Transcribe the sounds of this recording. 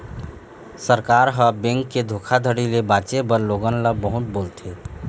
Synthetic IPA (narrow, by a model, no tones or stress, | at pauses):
səɾkaɾɦəbẽŋkːed̪ʱokʰad̪ʱəɽilebat͡ʃebəɾloɡənləbəɦut̪̚boːlt̪ʰe